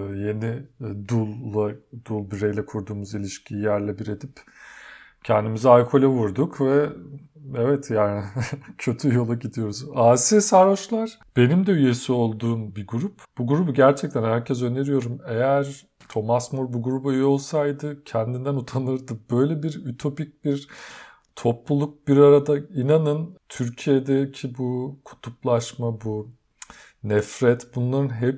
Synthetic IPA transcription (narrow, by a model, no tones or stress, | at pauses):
je̞nid̪ulˠːad̪ulˠbiɾejlʲɛkʰuɾd̪uːmuzilʲiʃcʰiːjæɾlʲɛbiɾe̞d̪ip | cʰɛnd̪imizajkʰo̞lʲavuɾd̪ukʰvɛ | ɛvɛt̪ʰjaːnɪcʰø̞t̪ʰyjo̞lˠaɟid̪ijo̞ɾuzasisaɾoʃlˠaɾ̥ | b̥e̞nimd̪ɛyje̞sio̞lˠd̪uːmbiɡuɾupb̥uɡuɾubuɟæɾt͡ʃʰɛc̚t̪ʰænhæɾcʰɛzøne̞ɾijo̞ɾume̞jæɾ̥ | t̪ʰo̞masmuɾbuɡuɾubujo̞lˠsajd̪ɯcʰɛnd̪ind̪ænut̪ʰanɯɾd̪ɯbø̞jlʲɛbiɾyt̪ʰo̞pic̚biɾ | t̪ʰo̞plˠulˠuk̚b̥iɾaɾad̪ainanɯnt̪ʰyɾcʰijed̪ɛcʰibukʰu̥t̪ʰuplˠaʃmabu | nɛfɾɛt̪bunlˠaɾɯnɦɛp